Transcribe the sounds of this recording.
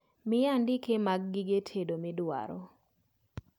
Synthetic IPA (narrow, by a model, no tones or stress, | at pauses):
mɪjandɪkemaɡ̚ːɪɡetʰedomɪdwa̰ɾo̰